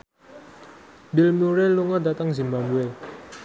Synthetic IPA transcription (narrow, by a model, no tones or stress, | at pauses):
bilmuɾɛluŋadat̪aŋzimbabuɛl